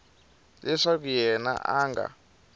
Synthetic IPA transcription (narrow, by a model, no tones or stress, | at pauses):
lɛʂak̬ujɛna̰ʔaŋɡa̰